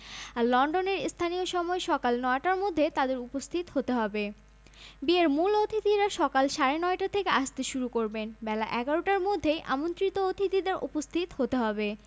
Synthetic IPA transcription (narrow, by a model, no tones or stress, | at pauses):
aɾlɔɳɖoneɾst̪ʰanioʃɔmɔeʃɔkalnɔeʈaɾmod̪ʱːet̪ad̪eɾupost̪ʰit̪hot̪eɦɔbe | bieɾmulod̪ʱit̪iɾaʃɔkalʃaɾenɔeʈat̪ʰekeʔaʃt̪eʃuɾukoɾbenbɛlaʔɛɡaɾoʈaɾmod̪ʱːeʔa̰mont̪ɾit̪ood̪ʱit̪id̪eɾʔṵpost̪ʰit̪hot̪eɦɔbe